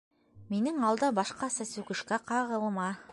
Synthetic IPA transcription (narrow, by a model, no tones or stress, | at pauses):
minɘŋɑlˠd̪ɑbɑʃqɑsæsʉkɘ̆ʃkæqɑʁɤlˠmɑ